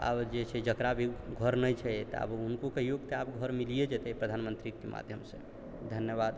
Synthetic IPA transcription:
a̰bd͡ʒet͡ʃʰɛd͡ʒəkɾabʱiɡʱəɾnəjt͡ʃʰɛt̪a̰bunkokəijoɡt̪eapɡʱəɾmilijed͡ʒɛt̪ɛpɾəd̪ʱanmənt̪ɾikemʔa̰d̪ʱjəmsḛ̃ | d̪ʱənjəbad̪

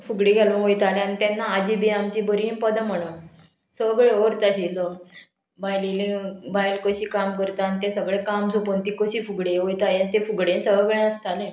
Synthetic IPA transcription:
fuɡɽiɡʱelũɦojt̪aleanit̪anːaːd͡ʑibiamt͡ɕibəɾinpəd̪əm̤əɳ̃o | səʋɡɭeoɾt̪aɕilɔ | bajlilĩbajlkəɕiːkamkəɾt̪aːnit̪ẽsəɡɭẽkams̬opont̪ikəɕiːfuɡɽeɦojt̪aleat̪efuɡɽẽnsəʋəɡɭẽəst̪alẽ

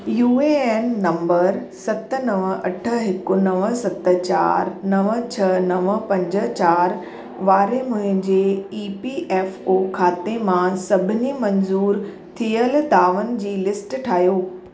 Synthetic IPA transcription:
juːeeːnːɐ̃mbəɾsɐt̪ənɐʋəɐ̰ʈʰə̆ɦɪkʊnɐʋəsɐt̪ət͡ɕa̰ːɾnɐʋət͡ɕʰɐnɐʋ̆pɐ̃ɲd͡ʑə̆t͡ɕaːɾ | ʋaːɾemʊ̃ɦɪ̃ɲd͡ʑeiːpiʔɛːfoːkʰaːt̪emãsɐbʱɪnimɐnzuːɾ | t̪ʰijəld̪aːʋənɪ̆d͡ʑiːlɪsʈʈʰaːɦijoː

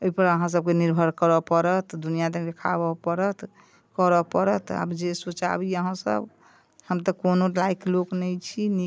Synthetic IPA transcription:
ojpəɾəɦãs̬əb̚keniɾbʱəɾkəɾəpəɾət̪d̪unijad̪əd̪ekʰa̰bɔpəɾət̪ | kəɾəpəɾət̪a̰bd͡ʒesot͡ʃa̰biəɦãsə̰b | həmt̪əkonolajkloknəjt͡ʃʰini

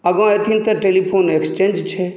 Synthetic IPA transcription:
ɐɡɔ̃et̪ʰint̪ɐʈelipʰoːnekst͡ʃẽnd͡ʒt͡ʃʰe

